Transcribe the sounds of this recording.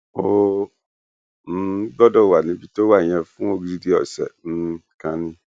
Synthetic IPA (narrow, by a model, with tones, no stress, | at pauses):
o˦ | m̩˦bɔ˦dɔ˦˨wa˨nĩ˦bi˨to˦a˨ɲ˨ɛ̃˨fũ˦o˦ɡɾi˦di˦ɔ̰˨sɛ̰˨n̩˦kã˨˦nɪ̃˦